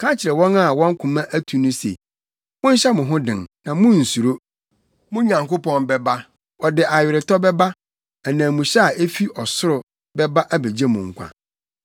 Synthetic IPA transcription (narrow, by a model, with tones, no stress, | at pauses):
kʰã˦t͡ɕʰɪ˨ɾɛ˨wɔ̃˦na˦˨wɔ̃˦ŋ˦kʰʊ̃˨mã˦ʔæ˦tʰu˨nʊ̃˦sḛ˨ | mʊ̃˦n̩˦ɕɛ˦mʊ̃˨ɦʊ̃˦dɪ̃˨nnã˨mʊ̃˦n̩˨su˨ɾo˦ | mʊ̃˦ɲã˨ŋko˦pɔ̃˦nbɛ˦ba˦ | ɔ˨dɪ˨ʔa˨ɥᶣɪ˨ɾɪ˨tʰɔ˦bɛ˦ba˦ | æ˨nãː˨mũ˨ɕɛ˦a˨ʔe˦fi˦ʔɔ˨sʊ˦ɾʊ˨ | bɛ˦ba˦ʔa˦be˨d͡ʑe˦mʊ̃˨ŋ̩˨kʷʰã̰˨